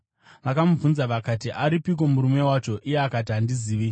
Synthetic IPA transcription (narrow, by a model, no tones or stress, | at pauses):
ʋakamuvunzaʋakatiʔaɾipik̬o̞muɾume̞wat͡ʃo̞ʔijeakatiandiziːʋi